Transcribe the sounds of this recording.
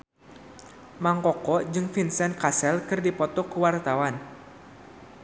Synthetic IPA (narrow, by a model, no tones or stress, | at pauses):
maŋkɔkɔd͡ʒɨŋfinsɛnkasɛlkɨrdipɔt̪ɔkuwart̪awan